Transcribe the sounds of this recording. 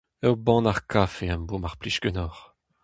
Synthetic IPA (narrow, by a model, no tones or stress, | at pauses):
ɛwbɑ̃naʁkʰafeambomaʁpliʃkønɔːʁ